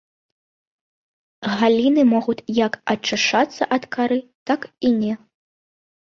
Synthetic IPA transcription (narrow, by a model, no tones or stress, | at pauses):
ɣalʲinɨmɔɣut͡sʲjɐkɐt͡ʂɨʂat̪sːɐʔɐt̪kaɾɨt̪akinʲɛ